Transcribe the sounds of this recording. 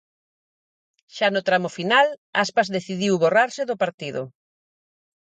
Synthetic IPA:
ʃanʊt̪ɾamʊfinalaspazðeθiðiwβoraɾsɪðʊpaɾt̪iðʊ̰

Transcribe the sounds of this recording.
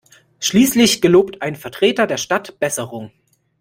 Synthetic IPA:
ʃliːslɪçɡ̥əloːptʰʔaɪnfɛɐtʁ̥eːtɐdeːɐʃtatb̥ɛsəʁʊŋ

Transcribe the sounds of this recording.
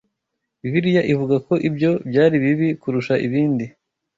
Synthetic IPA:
iβiɾijaʔivuɡako̞ʔibɟo̞bɟaːɾiβiβikuɾuʃaʔiβiːndi

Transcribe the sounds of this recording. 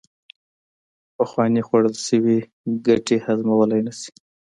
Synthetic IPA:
pəxwɑnixwaɽəlʃəwi | ɡaʈehazmawəlajnasi̥

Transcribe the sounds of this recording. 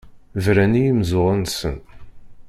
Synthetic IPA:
vɾænijimzʊʁˤənsə̰n

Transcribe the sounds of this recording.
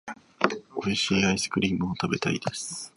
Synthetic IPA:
oiɕiːaisɨ̥kɯ̟ɾʲiːmɯ̟ot̪abe̞t̪aid̪e̞sɨ̥

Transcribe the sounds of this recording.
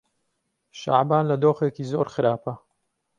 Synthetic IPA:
ʃa̰ʕbaːnlɐd̪oːxekiːzoːɾxɨɾʔaːpɐ

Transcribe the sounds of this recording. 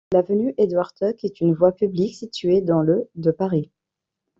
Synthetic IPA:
lavənyʔed̪waʁt̪ɔkɛt̪ynvwapybliksit̪ɥed̪ɑ̃lød̪əpaʁi

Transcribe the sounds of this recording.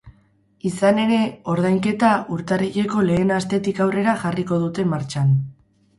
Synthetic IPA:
isane̞ɾe̞o̞ɾð̞ajŋke̞t̪auɾt̪ariʎe̞ko̞le̞ːnast̪e̞t̪ikawre̞ɾaxariko̞ð̞ut̪e̞maɾt͡ʃan

